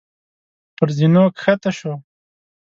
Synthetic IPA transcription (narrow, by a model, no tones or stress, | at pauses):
pəɾzinokxat̪aʃo